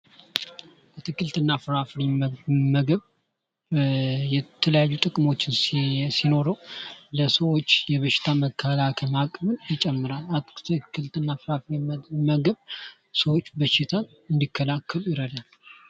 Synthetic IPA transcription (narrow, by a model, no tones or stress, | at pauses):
ʔət̪ʰɨkːɨlt̪ɨnːafɾafɾiməɡəβ | jɛt̪ʰːələjajːut̪ʼɨkʼmo̞t͡ʃːɪnssino̞ɾəwləsəwo̞t͡ʃːjɛβəʃɪ̥t̪ʰaməkʰːalakʰəmakʼβɨnjɪt͡ʃʼɛmːɨɾalat̪ʰɨkʰːɨlt̪ʰɨnːafɾafɾimməɡəβ | səwo̞t͡ʃːbəʃɪt̪ʰa | ɨnd̪ikʰːəlakʰːəlujɪɾəd̪al